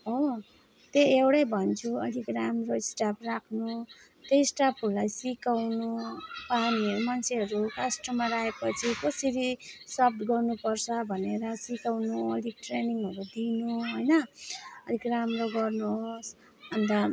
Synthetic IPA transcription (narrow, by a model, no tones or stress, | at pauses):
ɦo | t̪eewɽʌjbʱʌnt͡sʰuʌɽikramroisʈapʰrakʰnu | t̪esʈapʰʌɾulajsikawnupaniʌɾumant͡sʰeɦʌɾukasʈʌmaɾaɦepʌt͡sʰikʌsiɾiswʌp̚ʈɡʌrnupʌrt͡sʰʌbʱʌneɾʌsikawnuʌ̰ɽiʈreniŋɦʌɾud̪inuɦojnʌʌɾikramroɡʌrnuos | ʌnt̪ʌ